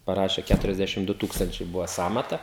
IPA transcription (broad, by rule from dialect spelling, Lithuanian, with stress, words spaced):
pɐˈrɑːʃʲeː kʲætʊrʲɛzʲˈdʲæʃʲɪm ˈdʊ ˈtuːkstɐnʲt͡ʃʲɛɪ ˈbʊʋɐ ˈsɑːmɐtɐ